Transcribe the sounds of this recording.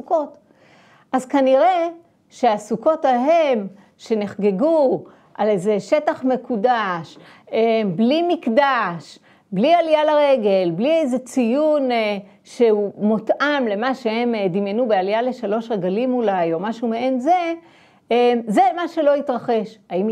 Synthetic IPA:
suko̞t | ʔazkaniʁe | ʃe̞asuko̞taɦe̞m | ʃe̞ne̞χɡe̞ɡu | ʔalejzeʃe̞taχme̞kudaʃ | eblimikdaʃ | blialijalaʁeɡe̞lbliejzet͡sijun | ʃeumotʔamle̞maʃehe̞md̪imjenubealjale̞ʃalo̞ʃʁeɡalimulajo̞maʃumeʔe̞nze | mze̞maʃe̞lo̞itʁaχe̞ʃaim

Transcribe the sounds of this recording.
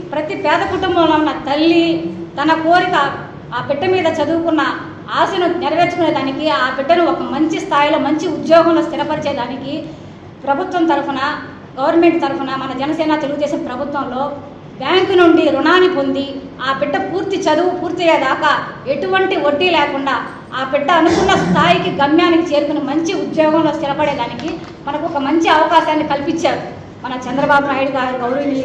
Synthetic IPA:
pɾɐt̪ipɛːd̪ɐkuʈumbɐmlɐunːɐt̪ɐlːit̪ɐnɐko̞ːɾikɐ | aːpiɖːɐmiːd̪ɐt͡ʃɐd̪uːukunːɐ | aːsɐnuniɾɐʋeːt͡ʃu̥kuneːd̪aːnikiaːpiɖːɐnuɔkɐmɐɲt͡ʃist̪ʰaːjilo̞ːmɐɲt͡ʃiud̪jɔːɡɐmloːst̪iɾɐpɐɾit͡ʃɛːjɐd̪aːniki | pɾɐbʱut̪ʋɐnt̪ɐɾupɐnɐ | ɡɐʋɐɾnɐme̞ɳʈ̚t̪ɐɾupɐnɐmɐnɐd͡ʒɛnɐsɛːnat̪e̞luɡud̪ɛːʃɐmpɾɐbʱut̪ʋɐmlo̞ː | bjaːŋkunuɳɖiɾuɳaːnipo̞nd̪i | aːpiɖːɐpuːɾt̪it͡ʃɐd̪uʋupuːɾt̪iɐjeːd̪aːkɐe̞ʈuʋɐɳʈioɖːilɛːkuɳɖaː | aːpiɖːɐːnukunːɐst̪ʰaːjikiɡɐmjaːnikit͡ʃe̞ːɾukunɐmɐɲt͡ʃiud̪jɔːɡɐmloːst̪ɪɾɐpɐɽɛːd̪aːniki | mɐnɐkuɔkɐmɐɲt͡ʃiɐʋɐkaːʃaːnːikɐlipiɲt͡ʃːaːɾu | mɐnɐt͡ʃɛnd̪ɐɾɐbaːbunaːjiɽuɡaːɾuɡɐʋɐɾmeɳʈ

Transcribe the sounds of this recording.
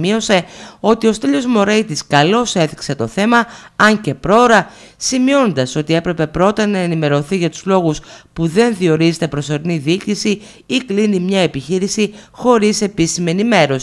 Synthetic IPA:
io̞se̞o̞t̪io̞st̪eʎo̞zmo̞ɾejt̪iskɐlo̞se̞θikse̞t̪o̞θe̞mɐɐɲce̞pɾo̞ɾɐsimio̞nd̪ɐso̞t̪ie̞pɾe̞pe̞pɾo̞t̪ɐnɐenime̞ɾo̞θiʝɐt̪u̥zlo̞ɣuspuðe̞nðio̞ɾizet̪e̞pɾo̞so̞ɾiniðiiːcisi | iklinimɲɐe̞piçiɾisixo̞ɾise̞pisime̞nime̞ɾo̞s

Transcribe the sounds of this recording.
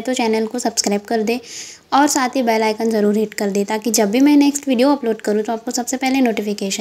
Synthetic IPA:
t̪ot͡ʃɛːnəlkosɐbskɾaːɪbkɐɾd̪eː | ɔːɾsaːt̪ʰɦibɛːlaːɪkənzɐɾuːɾɦeːʈkɐɾd̪eːt̪aːkid͡ʒɐbːimɛ̃neːksʈʋiːɖijoɐploːɖkɐɾũt̪oaːp̚kosɐbsepɛɦlenoːʈɪfɪkeːʃə

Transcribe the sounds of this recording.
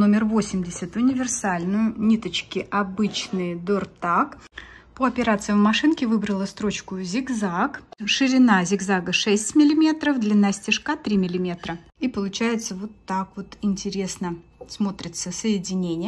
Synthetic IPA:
no̞mʲɪrvo̞sʲɪmʲdʲɪsʲət̪ʊnʲɪvʲɪrsalʲnʊjʊnʲit̪ət͡ɕkʲɪʔɐbɨt͡ɕnɨjd̪ort̪akpoɐpʲɪɾat̪sɨjmmɐʂɨnkʲɪvɨbɾəlˠəst̪ɾo̞t͡ɕkʊzʲɪɡzakʂɨɾʲɪnazʲɪɡzaɡəʂɛsʲtʲmʲɪlʲɪmʲe̞t̪ɾəfd̪lʲɐnasʲtʲɪʂkat̪ɾʲimʲɪlʲɪmʲe̞t̪ɾə | ipəlˠʊt͡ɕæjɪt̪səvo̞t̪ːakvo̞t̪ɪnʲtʲɪɾʲe̞snəsmo̞t̪ɾʲɪt̪səsəjɪdʲɪnʲenʲɪjə

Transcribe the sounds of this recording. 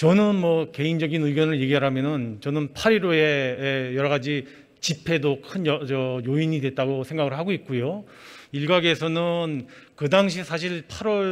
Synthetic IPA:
t͡ɕʌnɯnmwʌke̞ind͡ʑʌɡinɯiɡjʌnɯɭje̞ɡiɦaɾɦamjʌnɯnt͡ɕʌnɯnpʰaɾiɾoe̞ejʌɾʌɣad͡ʑi | t͡ɕipʰe̞dokʰɯnʌt͡ɕʌjoiɲidwe̞t̚t͈aɡosʰe̞ŋɡaɡɯɭɦaɡoit̚k͈ujo | iɭɡaɡiesʰʌnɯnkɯdaŋɕ̬ʰisʰaɕ̬ʰiɭpʰaɾwʌɭ

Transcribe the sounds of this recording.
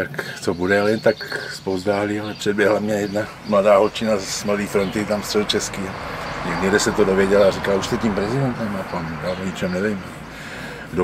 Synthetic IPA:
t̪akt̪obudɛalɛnt̪akspowzd̪aːlioaprɛd̪bjɛɦlamɲɛjɛd̪na | mladaːɦolt͡ʃinazmlad̪iːfɾont̪it̪amst̪rɛlt͡ʃɛskiaɲɛɡd̪idɛsɛt̪odoʋjɛɟɛlaɾikaluʃst̪ɛt̪iːmpɾɛzidɛnt̪ɛmapanaɲit͡ʃɛmnɛvɛm | ɡdo

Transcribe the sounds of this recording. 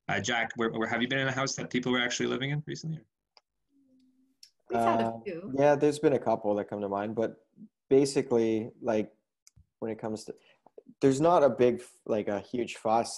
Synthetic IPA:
ʔʌ̰d͡ʒækwə˞wə˞ɨvjɨbɨ̃ñɨ̃nɨɦaʊsðɨt̚pʰipl̩ˠwə˞æk̚t͡ʃʉl̩ˠilɪ̰vɪ̃ŋɨ̃nɹisn̩ʔijɪ | ʌjæðə˞zbɨ̃nɨkʰʌpl̩ˠðət̚kʰʌ̃mtʰəmãɪ̃nbʌt̚ | b̥eɪsɨklilaɪk̚ | wə̃nɨt̚kʰʌ̃mz̥tʰɨ | ðə˞znəɾəbɪɡ | lʔaɪkɨhjʉd̥ʒ̥fɑs

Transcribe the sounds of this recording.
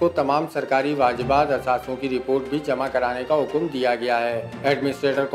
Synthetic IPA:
ot̪ɐmaːmsɐɾkaːɾiʋaːd͡ʒbaːd̪ɐsaːsõkiɾɪpoːɾʈ̚bʱid͡ʒɐmakɐɾaːnekaɦʊkmd̪ijaɡɐjaɦɛːɛːɖmɪnɪsʈɾeːʈəɾk

